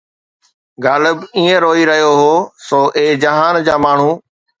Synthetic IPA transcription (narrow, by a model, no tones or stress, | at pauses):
ɡaːləbiːẽɾoːiɾəɦijoɦoːsoːʔeːd͡ʑəɦaːnd͡ʑaːmaːɳ̤ũː